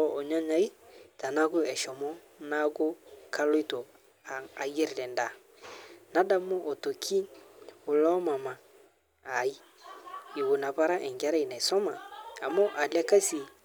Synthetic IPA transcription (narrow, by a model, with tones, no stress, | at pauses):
ɔ˦ʔo˨ɲa˦ɲa˨˦i˦ta˨na˦ko˦ɛ˨ʃɔ˨mɔ˦ | na˦ko˦ka˦lo˦i˦to˨ | a˨je˦ɾi˨ɾɛ˨nda˨ | na˦da˦mo˦ʔo˨to˨kʰi˦o˨lɔ˦ma˨ma˨ | a˨i˦ | i˨ɣo˨na˨pa˦ɾa˦ʔɛ˨ŋɡa˦ɾa˦i˨na˨i˨sɔ˦maː˨mo˦ʔa˨lɛ˦ka˦si˨